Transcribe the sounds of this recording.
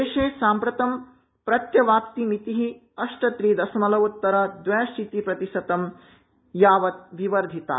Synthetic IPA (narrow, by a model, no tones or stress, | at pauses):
eːʃeːsaːmpɾɐt̪ɐm | pɾɐt̪jɐʋaːpt̪imit̪iɦi | ɐʂʈɐt̪ɾiːd̪ɐsɐmɐlɐut̪ːɐɾɐd̪ʋɐjʃit̪ipɾɐt̪iʃɐt̪ɐm | jaːʋɐt̪̚ʋiʋɐɾd̪ʱit̪a̰ː